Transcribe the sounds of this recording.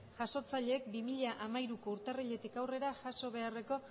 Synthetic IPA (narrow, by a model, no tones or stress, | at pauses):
ʝaso̞t͡saʎe̞ːk̚bimiʎaʔamajɾuko̞uɾt̪ariʎe̞t̪ikawre̞ɾaʝaso̞β̞e̞are̞ko̞